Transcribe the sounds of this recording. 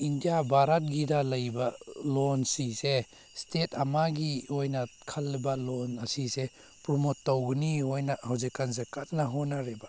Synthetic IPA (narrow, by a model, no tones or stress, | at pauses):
indijabʱaɾat̚ɡidɐlɐjbɐlonsise | stetʰɐmaɡiojnɐkʰɐlːibɐlonɐsise | pɾɔmotːawɡniɦojnɐhawzikːanzekat̚nɐɦonaɾebɐ